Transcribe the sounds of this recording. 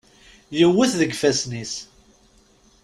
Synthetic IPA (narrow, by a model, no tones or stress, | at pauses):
jəwːəθðəɡfæsnis